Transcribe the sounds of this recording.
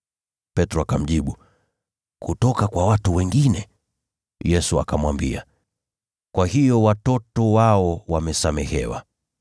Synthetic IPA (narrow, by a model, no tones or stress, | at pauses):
pɛtɾɔakam̩ʄiɓu | kutɔkakwawatuwɛŋɡinɛ | jɛsua̰kamwambḭa | kwahijɔwatɔtɔwaɔwamɛsamɛhɛwa̰